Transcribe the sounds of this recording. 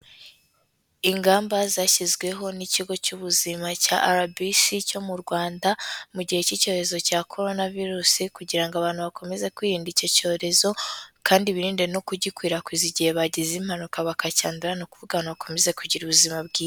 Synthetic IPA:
iŋɡaːmbazaːʃizɡwe̞ɦo̞niciɡo̞cuβuzimaca̰ʔaɾabisico̞muɾɡwaːndamuɟihe̞cico̞ːɾe̞zo̞caːkʰo̞ɾo̞naviɾusikuɟiɾaŋɡoaβaːnhuβako̞me̞ze̞kwiːɾiːndico̞co̞ːɾe̞zo̞kʰaːndiβiɾiːndeno̞kuɟikwiːɾakwiːziɟihe̞βaɟizim̥hanukaβakaca̰ːnduɾanokuvuɡanaβakʰo̞me̞ze̞kuɟiɾuβuzimabɡiː

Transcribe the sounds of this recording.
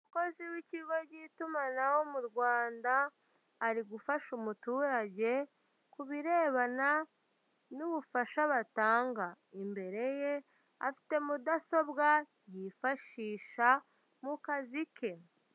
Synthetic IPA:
umuko̞ziwiciɡo̞ɾɟitumanawo̞muɾɡwaːndaː | ɾiɡufaʃumutuːɾaɟe̞ | kuβiɾe̞ːβana | nuβufaʃaβataːŋɡa | imbe̞ɾe̞je̞ | a̰fi̥te̞mudaso̞bɡa | jifaʃiːʃa | mukazikʰe̞

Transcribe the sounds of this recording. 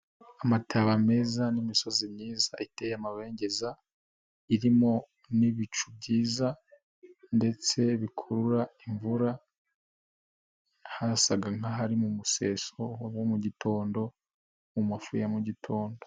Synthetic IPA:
amatʰaβame̞zanimiso̞zimɲiːzaʔite̞ːjamaβe̞ːɲɟe̞za | iɾimo̞ | niβit͡ʃub̚ɟiːza | nde̞t͡se̞βikʰoɾuɾaiɱvuɾa | hasaɡaŋaɦaɾimumuse̞ːso̞womuɟitʰo̞ːndo̞ | mumafujamuɟitʰo̞ːndo̥

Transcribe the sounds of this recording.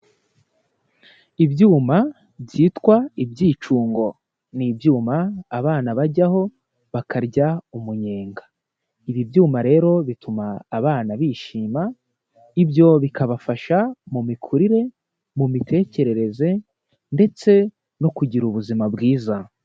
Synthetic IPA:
ibɟuːma | bɟiːtkwaibɟiːt͡ʃuːŋɡo̞ | nibjuːmaːβaːnaβaɾɟaho̞ | βakʰaɾɟaumuɲe̞ːŋɡḁ | iβibjuːmaɾe̞ːɾo̞βitumaːβaːnaβiʃiːma | ibjo̞βikaβafaʃamumikʰuɾiɾe̞ | mumitʰe̞ːce̞ɾe̞ɾe̞ze̞ | nde̞t͡se̞ | no̞kuɟiɾuβuzimabɡiːza

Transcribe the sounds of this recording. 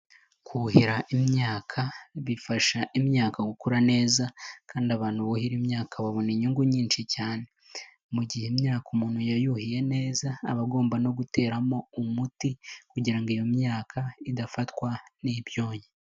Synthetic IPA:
kʰuɦiɾaʔimɲaːkʰaβifaʃaʔimɲaːkaɡukuɾane̞ːzakʰaːndiaβaːn̥huβohiɾimɲaːkʰaβaβoniɲuŋɡuɲiːnʃicaːne̞ | muɟihemɲaːkumuːn̥hujajuhije̞ne̞ːza̰ːβaɡo̞ːmbano̞ɡute̞ːɾamo̞umutikuɟiɾaŋɡijo̞mɲaːkʰaidafatwaniβjo̞ːje

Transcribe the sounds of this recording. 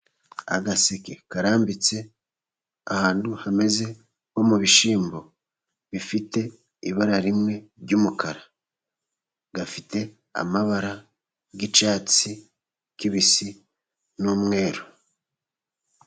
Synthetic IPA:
a̰ɡaseke̞kaɾaːmbit͡se̞ | ahaːnduhame̞ze̞ | ko̞muβiʃiːmbo̞ | βifite̞ | iβaɾaɾimŋe̞ɾɟuːmukʰaɾa | ɡafite̞ | a̰maβaɾa | ɡit͡ʃaːt͡si | kiβisi | numŋe̞ːɾo

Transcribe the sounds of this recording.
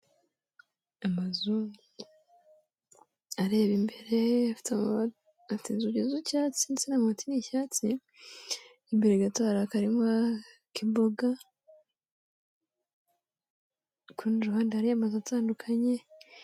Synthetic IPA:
amazu | aɾe̞ːβimbe̞ɾe̞afi̥ta | aftinzuɟezucaːt͡sinit͡senamaatinicaːt͡si | imbeɾeɡataːɾakaɾimŋakibo̞ɡa | kʰunɾuhaːndiaɾijamazuataːndukʰaɲe̞

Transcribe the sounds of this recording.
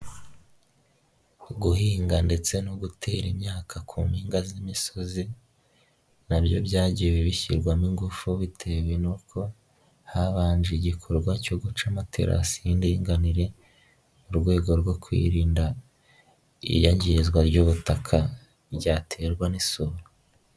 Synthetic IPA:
ɡuhiːŋɡande̞t͡se̞noɡutʰe̞ːɾimɲaːkʰakʰuːmhiːŋɡazimiso̞zi | nabjo̞bjaːɟiwiβiçiɾɡwamiŋɡufuβitʰe̞we̞nukʰo̞ | haβaːnd͡ʒeɟikʰo̞ɾɡwacoɡut͡ʃamatʰe̞̰ɾʔa̰siindiŋɡaniɾe̞ | uɾɡwe̞ːɡo̞ɾɡo̞kwḭːɾiːnda | ḭjaɲɟizɡwaɾɟuβutakʰa | bɟaːtʰe̞ɾɡwanisuɾo

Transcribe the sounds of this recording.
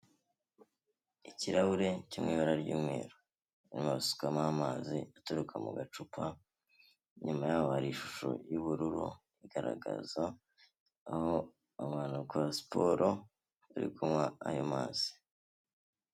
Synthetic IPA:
iciɾaβuɾe̞cimŋiːβaɾaɾɟuːmŋe̞̰ːɾo | nimaβisu̥kamamaːziatoɾukʰamṵɡat͡ʃupʰa | ɲumajaːβohaɾiʃu̥ʃo̰juβuɾuɾṵ | iɡaɾa̰ɡa̰zaː | ho | amaːnukuasi̥pʰoɾʔo | aɾḭɡumŋaa̰jomaːz̥i̥

